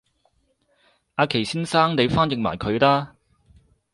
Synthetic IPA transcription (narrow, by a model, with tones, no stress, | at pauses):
aː˨˧kʰe˨˩jsiː˥nsaː˥ŋne˨˧jfaː˥njɪ˨k̚ma̰ː˨˩jkʰɵ˨˧ɥlaː˥